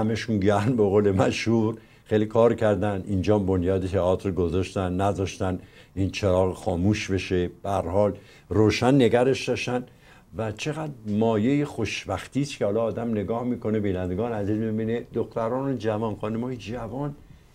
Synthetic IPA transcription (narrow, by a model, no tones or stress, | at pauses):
hæmeʃunɟæmbeɣoːlemæʃhuːɾ | χeːlikʰɒːɾcʰæɾd̪ænd̪ʔind͡ʒɒːmbonjɒːd̪et̪ʰeɒːt̪ʰɾɡozɒʃt̪ænːæzɒːʃt̪æniːnt͡ʃʰeɾɒːɣexɒːmuːʃbe̞ʃeb̥ehæɾhɒːl | roːʃænːe̞ɡæɾe̞ʃd̪ɒːʃt̪æn | væt͡ʃʰe̞ɣæd̪ɾmɒːjejexoʃbæxt̪iːst̪kʰʲehɒːlɒːd̪æmne̞ɡɒːhmiːkʰo̞nebiːnænd̪eɡɒːneæziːzmibiːned̪oxt̪æɾɒːnod͡ʒævɒːnxɒːnumɒːjed͡ʒævɒːn